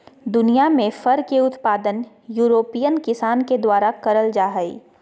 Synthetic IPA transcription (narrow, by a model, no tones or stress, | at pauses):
d̪ʊnijamẽfɐɾkeʊt̪paːd̪ən | juːɾoːpiːjənkɪsaːnked̪waːɾakɐɾəld͡ʒaːɦəḭ